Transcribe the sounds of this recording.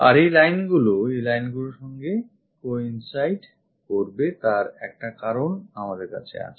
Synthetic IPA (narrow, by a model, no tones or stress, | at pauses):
aɾejlajnɡuloejlajnɡuloɾʃɔŋɡe | koinsajɖ | koɾbet̪aɾɛk̚ʈakaɾonamad̪eɾka̰t͡ɕʰḛa̰t͡ɕʰe̥